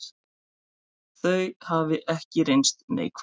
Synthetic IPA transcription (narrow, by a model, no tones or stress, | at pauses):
θœɥhavɪʔɛhcɪɾejnst̪nḛːjkʰv